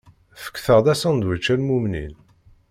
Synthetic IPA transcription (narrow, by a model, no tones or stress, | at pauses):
fə̥kːθəʁd̪æsænd̪wət͡ʃːænmumnḭn